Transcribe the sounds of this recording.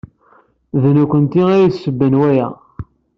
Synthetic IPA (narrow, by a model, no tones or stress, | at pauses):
ðnukʷːənt̪iæjiθsəbːənwæjæ̰